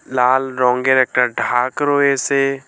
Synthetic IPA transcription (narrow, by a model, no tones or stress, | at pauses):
laːlɾɔ̃ːŋɡeɾek̚ʈəɾɖʱaːkɾoːese